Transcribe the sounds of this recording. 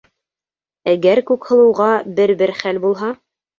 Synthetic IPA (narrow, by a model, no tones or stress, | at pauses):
æɡæɾkʉkhɤ̆lˠɤ̆wʁɑbɘɾbɘɾχælbulˠɦɑ